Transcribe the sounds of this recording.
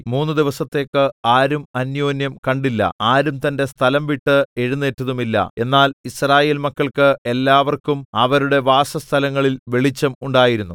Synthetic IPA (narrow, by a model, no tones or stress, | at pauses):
muːnːɨd̪iʋɐsɐt̪ːe̞ːkːɨaːɾumɐnjo̞ːnjɐmkɐɳɖilːɐ̰aːɾumt̪ɐnde̞st̪ʰɐlɐmʋiʈːɨe̞ɻunːeːtːɐðumilːɐ̰e̞nːaːlisraːje̞ːlmɐkːɐɭkɨe̞lːaːʋɐrkumɐʋɐɾuɽe̞ʋaːsɐst̪ʰɐlɐŋːɐɭilʋe̞ɭit͡ɕːɐmuɳɖaːjiɾunːu